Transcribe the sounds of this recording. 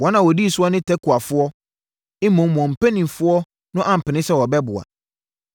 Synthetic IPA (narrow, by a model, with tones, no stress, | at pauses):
wɔ˨˦nã˨wɔ˨di˦˨sʊ˦ɔ˦nɪ̃˦tʰɛ˦kʰʊ˨a˨fʊ˦ɔ˦ | ɪ˦mɔ̃˨˦wɔ̃˨m̩˨pʰẽ˦nĩ˨m˨fʊ˦ɔ˦ | nʊ̃˦ʔã˨m̩˨pɪ˨nɪ̃˦sɛ˦wɔ˨bɛ˦bʊ˨a̰˨